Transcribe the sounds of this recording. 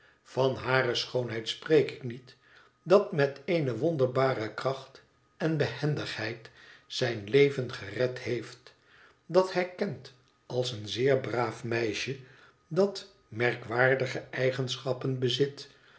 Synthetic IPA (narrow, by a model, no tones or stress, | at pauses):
fɑnɦaːrəsχownɦɛjtsprejkɪknit | dɑtmɛtejnəʋɔndəɹbaːrəkrɑχt | ɛnbəhɛndəχhɛjtsɛjnlejvənχərɛthejft | dɑthɛjkɛnt | ɑlˠsənzɪːɹbraːfmɛjʃə | dɑt | mɛɹkʋaːɹdəχəʔɛjχənsχɑpənbəzɪt